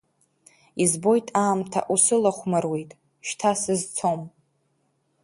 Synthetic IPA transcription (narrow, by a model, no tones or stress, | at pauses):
izbo̞jtʼʰaːmtʰa̰ʔusɨlaχʷmarwejtʼ | ʃtʰasɨzt͡sʰo̞m